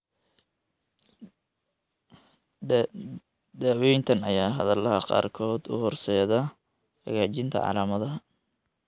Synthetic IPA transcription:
d̪ɛwɛjnt̪ʰɐnɐjaːɦɐðɐlɐɦɐqɑ̰ːrkʰɔːd̪ʊ̰hɔrsɛːðɐ | hɐ̰ɣaːt͡ʃɪnt̪ʰɐ̰ʕɑ̰laːmɐðɐɦɐ

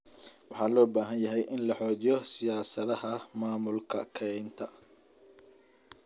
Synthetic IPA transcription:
wɑħɑːlɔːbaːɦɐnjɐɦɛjʔɪnlɐħɔːt͡ʃɪjɔsɪjaːsɐðɐhɐmaːmʊlkʰɐ̰kʰɛnt̪ʰɐ

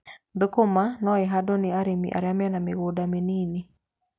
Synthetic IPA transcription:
d̪okomanɔɪɦadonɪaɾemḭʔa̰ɾjamjanamɪɣodamenini

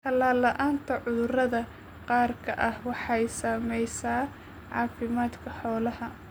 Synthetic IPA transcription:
t̪ʰɐlaːlɐʔaːnt̪ʰɐʕʊðʊrɐðɐ | qɑːrkʰɐʔɐhwɑħɑjsaːmɛjsaː | ʕɑ̰ːfɪmaːd̪kʰɐħɔːlɐhɐ

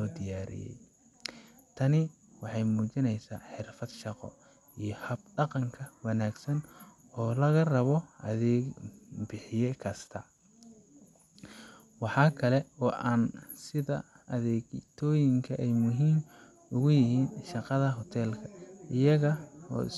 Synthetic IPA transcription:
lɔːd̪ɪjaːɾɪ̰jɛ̰j | t̪ʰɐnɪ | wɑħɑjmuːt͡ʃɪnɛjsaːħɪrfɐd̪ʃɑqɔ̰ | ijɞhɐb̚ɖɑqɑŋkʰɐwɑnaːɡsɐn | ɔːlɐɣɐrɐβɔʔɐðɛːɡbɪħɪjɛkʰɐst̪ʰɐ | wɑħɑːkʰɐlɛɔːʔaːnsɪðɐʔɐðɛːt̪ʰɔːjɪŋkʰɐʔɛjmʊɦiːm | ʊɣʊjɪɦiːnʃɑqɑðɐɦɔt̪ʰɛːlkʰɐɪjɐɣɐɔ̰ːɪ̰s

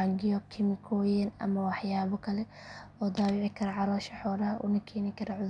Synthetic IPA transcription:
aɡɪjɔkʰɪmɪkʰɔːjɛnɐ̰mɐwɑħjaːβɔkʰɐlɛ | ɔːd̪aːwɪːʕɪkʰɐɾɐʕɑlɔːʃɐħɔːɾɐhɐʔʊ̰nɐkʰɛːnɪkʰɐɾɐʕʊð

